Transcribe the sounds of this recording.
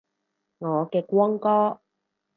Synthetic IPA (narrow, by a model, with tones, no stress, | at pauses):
ŋɔː˨˧kɛː˧kʷɔː˥ŋkɔː˥